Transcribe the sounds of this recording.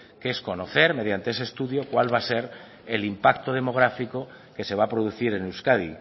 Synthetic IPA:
ke̞sko̞noθe̞ɾme̞ðjant̪e̞esest̪uðjo̞kwalβ̞ase̞ɾ | e̞limpakt̪oðe̞mo̞ɣ̞ɾafiko | ke̞se̞β̞apɾoð̞uθiɾenewskaðḭ

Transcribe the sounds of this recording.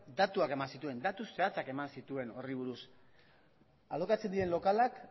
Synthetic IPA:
d̪at̪uake̞mansit̪ue̞nd̪at̪use̞at͡sake̞mansit̪ue̞no̞riβ̞uɾus | alokat͡se̞nd̪iɾe̞nlo̞kalak

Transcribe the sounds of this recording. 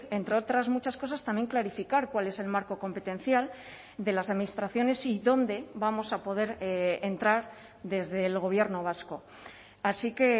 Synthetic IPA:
ent̪ɾeo̞t̪ɾazmut͡ʃasko̞sast̪amje̞ŋklaɾifikaɾkwale̞se̞lmaɾko̞ko̞mpe̞t̪e̞n̟θjal | d̪e̞lasaðminist̪ɾaθjo̞ne̞siðo̞nd̪e̞βamo̞sapo̞ð̞e̞ɾent̪ɾaɾ | ðe̞zðe̞lɣ̞o̞β̞je̞ɾno̞β̞asko̞ | asike̞

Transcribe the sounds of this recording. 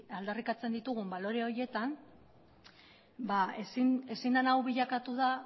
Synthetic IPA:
ald̪arikat͡se̞nd̪it̪uɣ̞umbalo̞ɾe̞o̞ɾje̞t̪an | baesine̞sinanawβiʎakat̪uða

